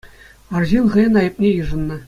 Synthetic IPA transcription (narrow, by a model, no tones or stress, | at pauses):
ɑrʑinχɤ̆jɤ̆nɑjɤ̆p̚nʲejɯʐɤ̆nːɤ̆